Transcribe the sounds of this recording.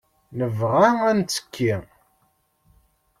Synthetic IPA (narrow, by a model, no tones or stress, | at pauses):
nəvʁaænt͡sːə̥kʰːi